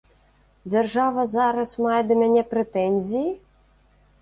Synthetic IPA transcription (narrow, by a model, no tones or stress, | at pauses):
d͡zʲarʐavɐzaɾɐsmajɛd̪ɐmʲanʲɛpɾɛt̪ɛnʲzʲiji